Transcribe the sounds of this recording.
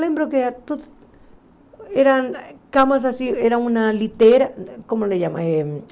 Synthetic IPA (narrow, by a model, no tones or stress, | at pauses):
lembɾokeat̪o | eɾankamas̬asieɾaũnalit̪eɾakomoleʝamã̰e